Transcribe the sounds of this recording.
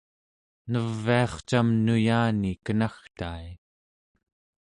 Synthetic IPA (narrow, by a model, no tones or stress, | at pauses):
nəvːiɑχt͡ʃamnujaːnikənaxt̪aːj